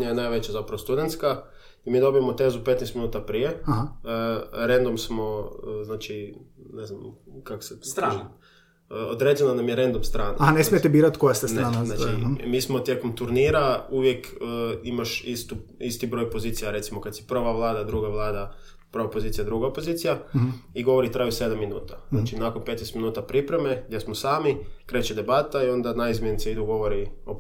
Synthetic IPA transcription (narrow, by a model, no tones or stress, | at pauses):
ɲajnajʋet͡ɕazapɾɐʋot̪ud̪ent̪ska | imiːd̪o̞bijemot̪eːzupet̪nest̪minuːt̪apɾijeahaəɾend̪omsmoznaːt͡ʃineznamkako̥sesɾa | od̪ɾeːd͡ʑenanamjeɾend̪umst̪ɾaːna̰nesmijet̪ebiːɾat̪kojast̪esnɾaːnanaːt͡ʃimiːsmot̪jekomt̪uɾniːɾauʋjekːimaʃist̪uist̪ibɾo̞jpo̞ziːt̪sijaɾe̞t̪simo̞kad̪sjipr̩ʋaʋlˠaːd̪ad̪ɾuɡaʋlˠaːd̪a | pɾ̩ʋapo̞ziːt̪ijad̪ɾuɡaopo̞ziːt̪sijaiɡo̞ʋo̞ɾit̪ɾajuse̞d̪amːinuːt̪aznaːt͡ʃinakonpe̞t̪nest̪minuːt̪apɾipɾe̞meɡd̪jesmosaːmikɾe̞t͡ɕed̪e̞bat̪aio̞nd̪anaizmʲjenit̪eid̪uɡo̞ʋoɾio